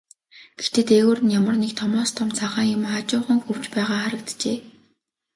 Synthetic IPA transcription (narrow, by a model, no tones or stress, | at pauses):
ɡ̥ext̪eːt̪eːɣoːrɘ̆njamə̆rnekt̪ʰɔmɔːst̪ʰɔmt͡saʁaːŋjʊmχat͡ɕʊːχə̆ŋxɵw̥t͡ɕpæːʁaːχaɾə̆kt̪t͡ɕeː